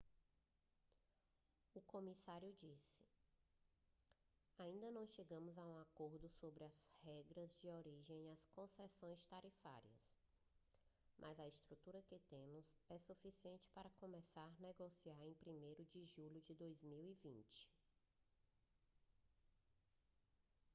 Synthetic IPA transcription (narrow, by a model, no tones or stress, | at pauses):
ʊkõmisaɾjʊd͡ʒisɪ̥ | aĩnd̪ɐnɐ̃w̃ʃeɡɐ̃mʊzaũakoɾd̪ʊsobɾɪɐzhɛɡɾɐzd͡ʒɪoɾiʒẽj̃iɐskõsɛsõj̃st̪aɾifa̰ɾiɐ̰s | mʔɐzɐɪst̪ɾut̪uɾɐkɪt̪ẽmʊzɛsufisiẽnt͡ʃɪ̥paɾɐkõmɛsaɾnɛɡosiaɾẽj̃pɾimejɾʊd͡ʒɪʒuʎʊd͡ʒɪd̪ojzmiwivĩt͡ʃɪ̥